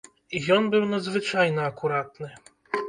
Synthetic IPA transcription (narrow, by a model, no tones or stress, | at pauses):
ijɔnbɨwnɐd̪zvɨt͡ʂajnɐɐkuɾat̪nɨ